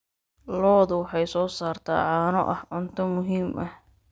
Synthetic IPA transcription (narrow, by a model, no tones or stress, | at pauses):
lɔːðʊwħɑjsɔːsaːrt̪ʰa̰ːʕɑːnɔ̰ʔɐhʕʊnt̪ʰɔmʊɦiːmʔɐh